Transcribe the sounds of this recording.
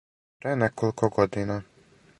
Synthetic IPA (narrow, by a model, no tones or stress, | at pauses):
pɾenɛkolˠkʰoɡod̪ina